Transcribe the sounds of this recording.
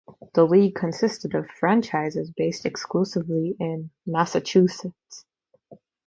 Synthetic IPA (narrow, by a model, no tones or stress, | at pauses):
ðəliɡ̚kʰɨ̃nsɪstɨɾʌv̥fɹæ̃nt͡ʃʰaɪzɨzbeɪstɨksklusɨvliɪ̃nmæsɨt͡ʃʰʉsɨts